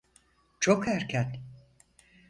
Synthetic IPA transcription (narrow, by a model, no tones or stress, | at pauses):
t͡ʃʰokhæɾcʰɛt̪